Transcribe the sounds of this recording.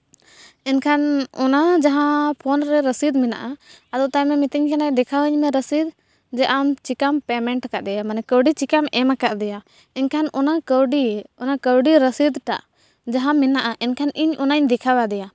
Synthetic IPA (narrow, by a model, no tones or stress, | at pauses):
ɛnkʰanɔnad͡ʒaɦãpʰɔnɾɛɾəsid̪mina̰ʔaad̪ɔt̪amɛmit̪iɲkʰanad̪ɛkʰawəɲmɛɾəsid̪ | d͡ʒɛʔamt͡ʃikampɛmɛɳʈkaʔd̪ɛjamanɛkəwɖit͡ʃikamɛmakaʔd̪ɛja | ɛnkʰanɔnakəwɖiɔnakəwɖiɾəsid̪ʈa̰ʔ | d͡ʒaɦãminaʔaʔɛnkʰaniɲɔnaɲd̪ɛkʰawad̪ɛja